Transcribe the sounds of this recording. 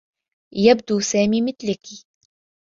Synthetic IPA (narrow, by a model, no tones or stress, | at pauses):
jab̚d̪uːsaːmiːmɪθlaki